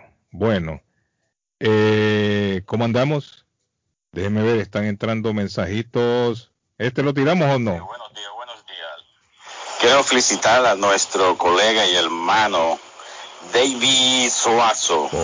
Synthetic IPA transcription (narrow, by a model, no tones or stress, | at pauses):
bwe̞no̞̰ | e | komoãnd̪amo̞s | d̪e̞heme̞βe̞ɾe̞st̪aŋe̞nt̪ɾand̪o̞mẽ̞nsahit̪os | est̪elot̪̬iɾamosonowenodiasβwenozdias | keɾofelisit̪aɾanwest̪ɾokoleɣaieɾmãno | d̪ejβisoaso̰